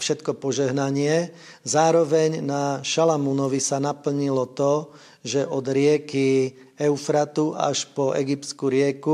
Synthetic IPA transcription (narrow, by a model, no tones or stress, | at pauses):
fʃɛt̪kɔpɔʒɛɦnaɲɪɛ | zaːɾɔʋɛɲnaʃalamunɔʋisanapl̩ɲilɔt̪ɔ | ʒɛʔɔd̪ɾɪɛki | ɛufɾat̪ua̰ʃpɔɛ̰ɡiptt͡skuɾɪɛku